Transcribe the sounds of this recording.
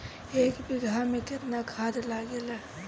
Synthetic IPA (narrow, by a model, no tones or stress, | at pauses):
eːkbiɡʱamẽkɪt̪nakʰaːd̪laɡela